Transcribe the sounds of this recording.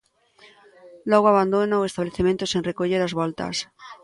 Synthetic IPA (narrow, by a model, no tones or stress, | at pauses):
lɔɣ̞oaβand̪onaoest̪aβleθemẽnt̪ʊseŋrekoʎeɾazβɔlt̪ɐ̰s